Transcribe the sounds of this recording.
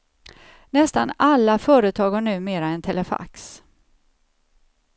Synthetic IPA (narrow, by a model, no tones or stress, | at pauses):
nɛst̪a̰nalːafœːɾət̪ʰɑːɡhaɳʉ̟ːmeːɾaɛnt̪ʰɛləfa̰ks